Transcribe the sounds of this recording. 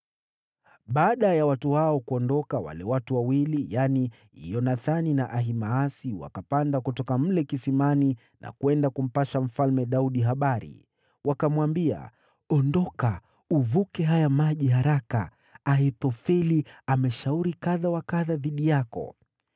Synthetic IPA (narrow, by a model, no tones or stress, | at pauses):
ɓaːɗajawatuhaɔkuɔndɔkawa̰lɛwatuwawilijani | ḭjɔnaθaninaʔaɦimaːsiwa̰kapandakutɔkam̩lɛkisimani | nʔa̰kwɛndakum̩paʃam̩falmɛɗauɗiɦaɓaɾḭ | wakamwambia̰ | ɔndɔka | uvukɛɦajamaʄiɦaɾaka̰ː | ɦɛtɔfɛliamɛʃauɾikaðawakaðaðiɗijakɔ̰